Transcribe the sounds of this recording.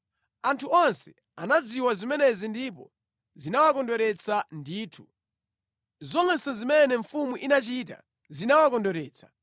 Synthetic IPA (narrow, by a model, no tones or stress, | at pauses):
antʰuɔnsɛ | anad͡ziwazimɛnɛzindipɔ̰ | zinawakɔndɔɾɛt͡sʰandiːtʰu | zɔŋɛsɔzimɛnɛɱfumuʔinat͡ʃita̰ | zinawakɔndɔɾɛːt͡sʰḁ